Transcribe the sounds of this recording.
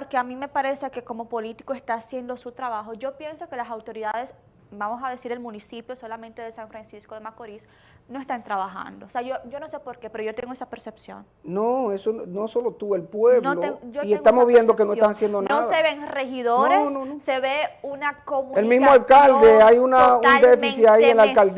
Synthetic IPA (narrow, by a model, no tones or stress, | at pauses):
poɾkeamĩme̞paɾe̞seke̞ko̞mo̞po̞lit̪i̥koest̪aːsjend̪osut̪ɾaβaxo̞ʝo̞pje̞nso̞ke̞lasawt̪o̞ɾiðað̞e̞s | bamosaðe̞siɾelmunisipjo̞so̞lamẽnt̪eðesaɱfɾansiskoðemakoɾis | no̞e̞st̪ant̪ɾaβaxa̰nd̪oseaʝoɟ͡ʝo̞no̞se̞po̞ɾkepe̞ɾo̞ʝo̞t̪eŋɡo̞esapeɾse̞psjo̞̰n | noesonoso̞lo̞t̪ue̞lpweβnlooiest̪amoβje̞nd̪ok̬enoest̪anasjend̪onasðeβeŋrexiðoɾenõoːeβeunakomũelmizmoalkald̪eajunaunnld̪efisiaienlakald̪